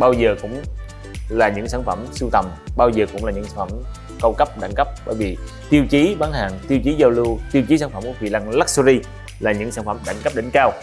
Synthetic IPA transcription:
ɓaː˧wzəː˨˩kʊ̰˧˥ŋ͡m | laː˨˩ɲɨ̰˧˥ŋsaː˧˩nfə˧˩msɨ˧wt̪ə˨˩mɓaː˧wzəː˨˩kʊ̰˧˥ŋ͡mlaː˨˩ɲɨ̰˧˥ŋsa˨˧˦fʰə̰˧˩m | kə˧wkə˦˥p̚ɗa̰˧˩˦ŋkə˦˥p̚ɓəː˧˦jvi˨˩ | t̪i˧əwt͡ɕi˨˦ɓaː˨˦nɦaː˨˩ŋt̪i˧əwt͡ɕi˨˦zə˧wlu˧t̪i˧əwt͡ɕi˨˦saː˧˦nfə˧˩mku˧˩˦vḭ˨laː˧ŋla˦˥k̚su˧zi˧ | laː˨˩ɲɨ̰˧˥ŋsaː˧˦nfə˧˩˦mɗa˧˩˦ŋkə˦˥p̚ɗe˧˨˦nkaː˧w

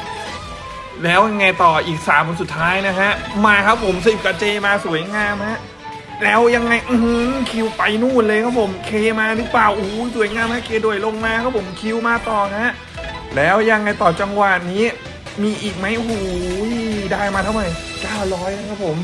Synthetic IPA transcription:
lɛː˦˥wja˧ŋːa˧jt̪ɔː˨˩ʔiː˨˩k̚saː˩˦mkʰo˧nsu˨˩t̪ʰːaː˦˥jna˦˥kʰa˦˥ʔmaː˧kʰa˦˥pʰo˩˦msi˨˩p̚ka˧t͡ɕeː˧maː˧su˩˦ə˦jŋaː˧mha˦˥ʔ | lɛː˦˥wja˧ŋːa˧jʔu˧hɯ˧˥kʰi˧wpa˧jnuː˥˩nlɤː˧kʰa˦˥pʰo˨˩˦mkʰeː˧maː˧ɾɯ˦˥plaː˨˩wʔu˨huː˨˩˦jsu˩˦jŋaː˧mha˦˥kʰeː˧˩du˨˩əjlo˧ŋmaː˧kʰa˦˥pʰo˩˦mkʰi˧˥wmaː˧t̪ɔː˨˩kʰa˦˥ʔ | lɛː˦˥wja˧ŋːa˧jt̪ɔː˨˩t͡ɕa˧ŋwa˨˩niː˦˥ | miː˧ʔiː˨˩k̚ma˦˥jʔhuː˨˦jdaː˧˩jmaː˧t̪ʰwma˨˩jkaː˥˩wlɔː˦˥jkʰa˧˥kʰa˦˥pʰo˩˦m

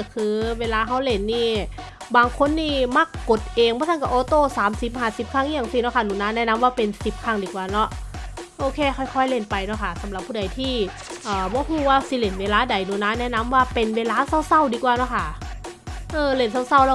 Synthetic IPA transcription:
kʰɯː˧weː˧laː˧ɦa˧˥˩wle˧˩nːiː˧˥˩ | baː˧ŋkʰo˧˥˨nːiː˧˥˩ma˧˥˩kːo˨˩˦t̪̚ʔeː˧ŋbɔː˧˦t̪ʰa˥˨ka˧˩ʔɔː˧˦t̪oː˧˩saː˨˦msi˨˦p̚haː˨˧˩si˨˦p̚kʰa˧˥˩ŋ˧aː˨˩ŋsi˧˩nɔ˧˥˩kʰa˧˥˩nuː˨˦naː˧˥˨nɛː˦˧˥na˧˥˨mwaː˥˩pe˧nsi˨˩p̚kʰa˧˥˩ŋdiː˨˧kwaː˨˧nɔ˧˥ʔʔoː˧˩kʰeː˧˩˨xʰɔ˧˩jkʰɔ˧˥˩jle˧˩npa˧jnɔ˧˥˩kʰa˧˥˩sa˨˦mla˨˩pʰːuː˧˩da˨jt̪ʰiː˧˩ | ʔɤː˨˩bɔː˧˥˦huː˧˩waː˧˩si˧˦le˨˩nweː˧laː˧˥˨da˨˦jnuː˨˦naː˧˥nɛː˦˧˥na˧˥˨mwaː˧˥˩pe˧nweː˧laː˧˥sa˧˥˩wsa˧˥˨wdiː˧kwaː˨˧nɔ˧˥˩kʰa˧˥˩ | ʔɤː˧le˧˩nsa˧˩wsa˧˩wlɛ˧˥˩

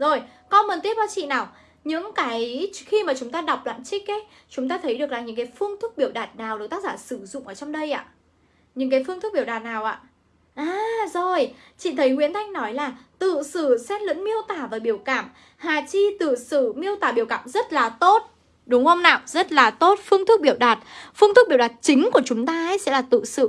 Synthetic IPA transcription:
zo˨˩jkɔ˧mə˨˩nt̪i˦˥əp̚kɔ˧t͡ɕḭ˧˨naː˨˩w | ɲɨ̰˧˥ŋkaː˨˦jxi˧maː˨˩t͡ɕʊ˨˦ŋ͡mt̪aː˧ɗa˨˩wk͡p̚la̰ː˧˨nt͡ɕï˦˥k̚ʔə˨˦j | t͡ɕʊ˨˦ŋ͡mt̪aː˧t̪ʰə˨˦jɗɨ˨˩ək̚laː˨˩ɲɨ̰˧˥ŋkaː˨˦jfɨ˧əŋt̪ʰʊ˦˥k̚ɓi˧˩əwɗaː˨˩t̚naː˨˩wɗɨ˨˩t̪a˦˥k̚zaː˧˩sɨ˧˩zʊ̰˧˨ŋ͡mʔəː˧˩t͡ɕɔ˧wŋ͡mɗə˧jʔa̰ː˧˨ | ɲɨ̰˧˥ŋkaː˨˦jfɨ˧ŋt̪̚ʰɓi˧˩əwɗaː˨˩t̚naː˨˩wʔa̰ː˧˨ | ʔaː˨˩zo˨˩jt͡ɕḭ˧˨nt̪ʰə˨˦jhwḭ˧˥ənt̪ʰa˧jŋ̟nɔ˨˦jlaː˨˩t̪ɨ̰˧˨sɨ˧˩sɛ˧˥nlɨ̰˧˥ŋmi˧əwt̪aː˧˩vaː˨˩ɓi˧˩əwkaː˧˩m | haː˨˩t͡ɕi˧t̪ɨ̰˧˨sɨ˧˩mi˧əwt̪aː˨˩ɓi˧˩əwka̰ː˧˨mzə˦˥t̚laː˨˩t̪o˦˥t̚ | ɗʊ˨˦ŋ͡mho˧wŋ͡mna̰ː˧˨wzə˦˥t̚laː˨˩t̪o˦˥t̚fɨ˧əŋt̪ʰɨ˦˥k̚ɓi˧˩əwɗaː˨˩t̚fɨ˧ŋt̪ɨ˦˥ɓi˧˩wɗaː˨˩t̚t͡ɕï˨˦ŋ̟ku˧˩ət͡ɕʊ˨˦ŋ͡mt̪aː˧ə˧˦jsɛ̰˧˥laː˨˩t̪ɨ̰˧˨sɨ̰˧˨

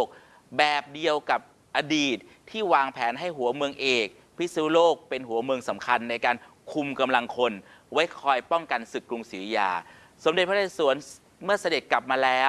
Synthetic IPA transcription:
k̚ | bɛː˨˩p̚di˧əwka˨˩p̚ | ʔaː˧diː˨˩t̪̚ʰːiː˥˩waː˧ŋpʰɛː˩˦nɦa˥˩jɦu˩˦ɐmɯ˧əŋʔeː˨˩k̚ | pʰi˦˥sɯː˦˥loː˥˩k̚pe˧nɦu˩˦ɐmɯ˧əŋsa˩˦mkʰa˧nːa˧jkaː˧nkʰu˧mka˧mla˧ŋkʰo˧nwa˦˥jkʰɔː˧jpɔ˥˩ŋka˧nsɯ˨˩kːɾu˧ŋsiː˩˦ja̰ː˧˩ | so˩˦mde˨˩t̚pʰa˥a˧˩su˨˩˦ən | mɯ˥˩ɐsa˧de˨˩t̪̚kla˨˩p̚maː˧lɛː˦˥

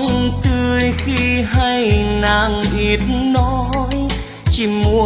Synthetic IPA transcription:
ŋt̪ɨ˧jxi˧ɦa˧jnaː˧˩ŋʔi˨˩ət̚nɔ˧˦j | t͡ɕi˧˩mu˧˦

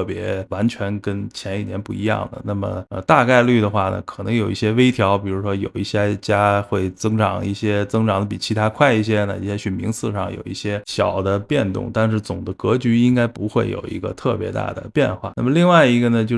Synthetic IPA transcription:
pjɛ̰˧˥wa˧˥nt͡ɕʰɥɛ˧˥nkə˥nt͡ɕʰjɛ˧˥ni˨˩njɛ˧˥npu˥˩i˧˥jɑ̰˥˩ŋd̪ə̰˩na˥˩mə̰˩ə˧t̪a˥˧ka˥˧ɪly˥˩d̪ə˩xwa˥˩nə̰˩kʰɤ˨˩nɤ˧˥ŋjo˨˩ʊi˥˩ɕjɛ˥we˥ɪt̪ʰjɑ˧˥ʊpi˨˩ɻu˧˥ʂwɔ˥jo̰˨˩ʊi˥˩ɕjɛ˥t͡ɕja˥xwe˥˩ɪt͡sɤ˥ŋʈ͡ʂɑ̰˨˩˦ŋi˥˩ɕjɛ˥t͡sɤ˥ŋʈ͡ʂɑ˨˩ŋd̪ə˧pi˨˩t͡ɕʰi˧˥t̪ʰa˥kʰwa˥˧ɪi˥˩ɕ̬jɛ˥na˥˧˩i˥˩ɕjɛ˥ɕy˨˩nmi˧˥ŋsɹ̩˥˧ʂɑ̰˥˩ŋjo̰˨˩ʊḭ˥˩ɕjɛ˥ɕjɑ˨˩ʊd̪ə˦pjɛ˥˧nt̪ʊ̰˥˧ŋt̪a˥˧nʂ̬ɻ̩˥˩t͡sʊ˨˩ŋd̪ə˦kɤ˧˥t͡ɕy˧˥i˥ŋka˥ɪpu˧˥xwe˥˩ɪjo̰˨˩ʊḭ˧˥ɡə̰˧t̪ʰɤ˥˩pjɛ̰˧˥t̪a̰˥˩d̪ə̰˩pjɛ̰˥˧nxwa̰˥˩na˥˩mə˩˧li˥˧ŋwa˥˩ɪi˧˥ɡə˧nə˩t͡ɕjo˥˧

